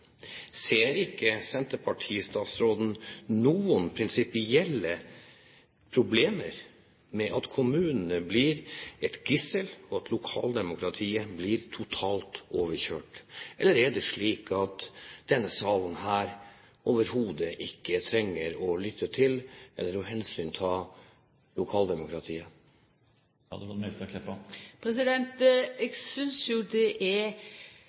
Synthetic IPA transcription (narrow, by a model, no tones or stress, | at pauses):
seːɾɪkːəsɛnt̪əɾpʰɑʈʰiːst̪ɑːt̪sɾoːd̪n̩nuːənpʰɾɪnsɪpɪɛlːə | pʰɾʊbleːməɾ | mɛʔɑt̪kʰʊmʉːnənəbliːɾɛt̪ɡɪsəlɔɑt̪ʰlʊkʰɑ̰ːld̪ɛmʊkʰɾɑt̪ʰiːəbliːɾt̪ʰʊt̪ʰɑːlt̪oːʋəɾçøːʈʔɛlːəɾɛɖɛʂɭiːkʰɑt̪d̪̥ɛnːəsɑːʋ̪n̩ɦæːɾ | ʔoːʋəɾhuːd̪əʔɪkːət̪ʰɾɛŋːəɾɔlʏt̪ːət̪ʰɪlʔɛ̰lːəɾɔɦɛnsyːnt̪ʰɪl | lʊkʰɑːld̪ɛmʊkɾɑt̪ʰiːə | ɑ̰d̪fɔmɛt̪kʰɛpːɑpʰɾɛsɪd̪ɛnt̪ɛɡsʏnsjʊɖɛʔɛ